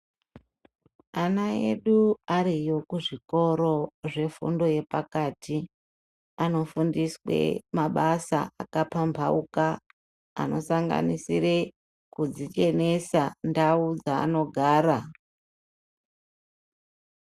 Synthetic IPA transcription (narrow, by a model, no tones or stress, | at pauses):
anae̞̰ɗuaɾijo̞kuʐiko̞ɾo̞ʐe̞fṵndo̞je̞pakaːtʰi | ano̞fundiswḛmaɓasa̰akapambʱauka̰ː | no̞saŋɡa̰nisire | kud͡zit͡ʃe̞ne̞sandaud͡za̰ːno̞ɡʱaːɾa